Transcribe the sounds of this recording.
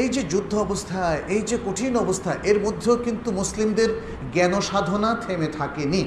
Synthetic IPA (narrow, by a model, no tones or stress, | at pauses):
ejd͡ʑed͡ʑud̪ʱːoɔbost̪ʰaejd͡ʑekoʈʰinɔbost̪ʰaʔeɾmod̪ʱːeokint̪umuslimd̪eɾ | ɡɛnoʃad̪ʱonat̪ʰemet̪ʰakeni